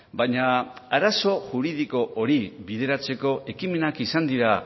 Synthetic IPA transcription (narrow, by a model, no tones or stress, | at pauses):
baɲaaɾaso̞ʝuɾið̞iko̞ʔoɾiβið̞e̞ɾat͡se̞ko̞ʔe̞kime̞nakisand̪iɾa